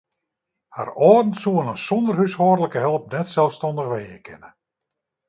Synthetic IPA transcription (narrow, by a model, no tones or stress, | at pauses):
ha̰rɔːdn̩suənənsɔndərhyshɔːrələkəɦɛlˠp̚nɛtsɛlˠfstɔndəxʋejə̰kʰɪ̰nə